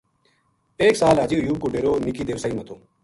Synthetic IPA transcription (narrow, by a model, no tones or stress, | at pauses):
eːksaːlaːd͡ʑiʊjuːb̚koːɖeːɾoːnikiːd̪eːʋsaiːmɐt̪ʰoː